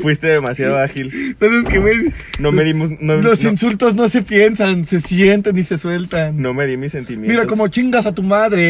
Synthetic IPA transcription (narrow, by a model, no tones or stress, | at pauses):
fwist̪eðemasjaðoaxilnoseskewenomeðimonolo̞sinsult̪o̞zno̞se̞pje̞nsanse̞sjent̪enːise̞swe̞lt̪annomeðimise̞nt̪imjmiɾako̞mo̞t͡ʃiŋɡasat̪umaðɾe